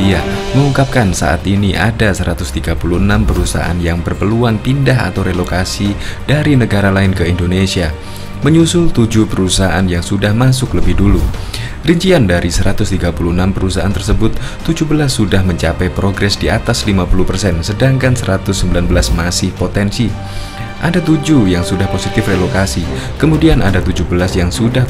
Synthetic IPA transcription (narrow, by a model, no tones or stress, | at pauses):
diaməŋuŋkap̚kansa̰ʔa̰t̪iniʔa̰dasəɾat̪ʊst̪iɡapuluənampəɾusa̰aa̰njaŋbərpəluaŋpindaɦa̰t̪awɾelokasid̥aɾinəɡaɾalaɪnkəindonesia | məɲusʊlt̪ud͡ʒupəɾusaaʔanjaŋsudahmasʊkləbɪhdulu | riɲt͡ʃiandaɾisəɾat̪ʊst̪iɡapulunampəɾusaʔa̰nt̪ərsəbʊt̪ːud͡ʒubəlasːudahməɲt͡ʃapɛjpɾoɡɾɛsdia̰t̪aslimapulupərsɛnsədaŋkansəɾat̪ʊsːəmbilanbəlasmasɪhpot̪ɛnsi | ʔadat̪ud͡ʒujaŋsudahposit̪ɪfrelokasi | kəmudianʔadat̪ud͡ʒubəlasjaŋsudah